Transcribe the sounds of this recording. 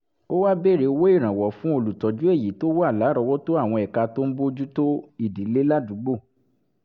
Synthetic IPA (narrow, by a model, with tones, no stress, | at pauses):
o˦wa˦be˦˨ɾe˨˧˦wo˦i˦˨ɾ̃ã˨wɔ˨fũ˦o˧lu˨tɔ˨d͡ʒu˦e˦˨ji˨˦to˦wo˦a˦˨la˨˦ɾɔ˧wɔ˦to˦a˦˨w̃ɔ̃˧ɛ˨ka˧to˦n̩˦bo˦d͡ʒu˦to˦i˦˨di˨˦le˦la˦˨du˨˦ɡ͡bo˦˨